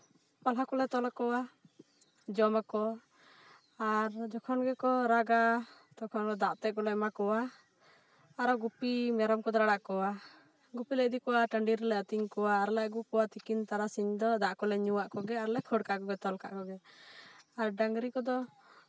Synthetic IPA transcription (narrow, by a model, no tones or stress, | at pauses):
palɦakɔlɛt̪ɔlakɔwa | d͡ʒɔmakɔ | aɾd͡ʒɔkʰɔnɡɛkɔɾaɡa | t̪ɔkʰɔnɔd̪aʔt̪ɛkɔlɛmakɔwa | aɾɔɡupimɛɾɔmkɔd̪ɔɾaɽaʔkɔwa | ɡupilɛd̪ikɔwaʈəɳɖiɾlɛət̪iŋkɔwaːɾlɛʔɡukɔwat̪ikint̪aɾasiɲd̪ɔd̪aʔkɔlɛɲuwaʔkɔɡɛaɾlɛkʰɔɽkaʔkɔɡɛt̪ɔlka̰ʔkɔɡɛ | aɾɖaŋɡɾikɔd̪ɔ